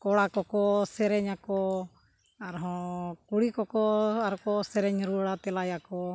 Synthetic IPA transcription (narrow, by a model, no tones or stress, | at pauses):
kɔɽakɔkɔsɛɾɛɲakɔ | aɾɦɔ̃kuɽikɔkɔaɾkɔsɛɾɛɲɾuɽat̪ɛlajakɔ